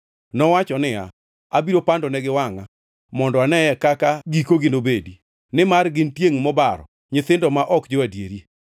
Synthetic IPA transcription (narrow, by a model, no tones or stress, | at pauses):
nɔwat͡ʃɔnɪa̰ | abiɾopandɔnɛɡɪwaŋa | mɔndɔanɛɛkakaɡikoɡɪnobedi | nɪmarɡɪntjeŋmɔbaɾɔ̰ | ɲɪθɪndɔmaʔɔkd͡ʒɪwadjḛɾi